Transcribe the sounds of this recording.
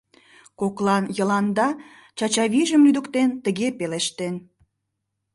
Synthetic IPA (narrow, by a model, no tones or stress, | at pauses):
koklɑnjə̆lɑnd̪ɑ | t͡ɕɑt͡ɕɑβiʒəmlyd̪ə̆kt̪ent̪əɣepeleʃt̪en